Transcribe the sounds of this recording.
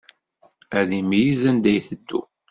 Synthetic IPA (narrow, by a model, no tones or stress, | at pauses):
æðimjizænd̪æjθəd̪ːṵ